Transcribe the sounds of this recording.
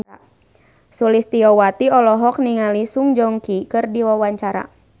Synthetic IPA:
sulist̪iɔwat̪iɔlɔɦɔk̚niŋalisuŋd͡ʒɔŋkikɨrdiwawaɲt͡ʃaɾa̰

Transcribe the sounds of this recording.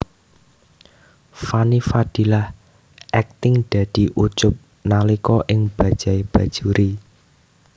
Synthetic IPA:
fanifad̪̥ilah | ʔɛk̚t̪ɪŋd̪̥a̤d̪̥i̤ʔut͡ʃʊp̚ | nalikɔʔɪŋb̥ä̤d̥ʒ̥a̤ib̥ä̤d̥ʒ̥uɾi

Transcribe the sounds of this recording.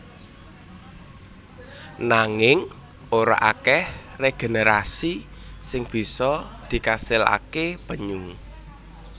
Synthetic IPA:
naŋɪŋ | oɾa̰ʔakɛhreɡ̥e̤neɾasisɪŋb̥i̤sɔd̪̥i̤kasɪla̰keb̥ə̤ɲʊŋ

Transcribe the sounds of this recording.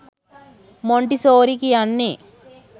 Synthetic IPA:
moɳʈisoːɾikiɐnːe

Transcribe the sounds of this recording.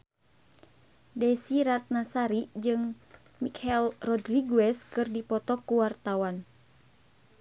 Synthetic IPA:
dɛsiɾat̪̚nasaɾid͡ʒɨŋ | mikɛlrɔdriɡuɛskɨrdipɔt̪ɔkuwart̪awan

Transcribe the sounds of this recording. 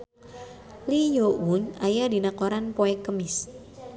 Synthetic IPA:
lijounajadinakoɾanpoɛkəmɪs

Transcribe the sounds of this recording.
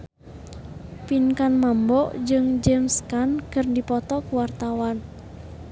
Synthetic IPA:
pinkanmambɔʔd͡ʒɨŋd͡ʒɛmskankərndipɔt̪ɔkuwart̪awan

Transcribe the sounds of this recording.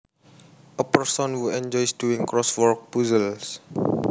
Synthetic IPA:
ʔəpəɹsɔ̃nhuɛ̃nd͡ʒɔjsduĩŋkɹɔswɔɹk̚puzəls

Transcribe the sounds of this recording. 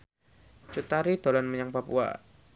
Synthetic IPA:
t͡ʃut̪aɾid̪̥olanməɲaŋpapṵa̰

